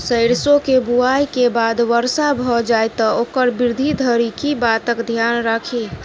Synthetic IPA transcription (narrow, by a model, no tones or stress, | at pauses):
səɪɾsokebuajkebaːd̪ʋəɾsabʱɔd͡ʒajt̪ɔoːkəɾbɪɾd̪ʱid̪ʱəɾikibat̪əkd̪ʱjanɾakʰi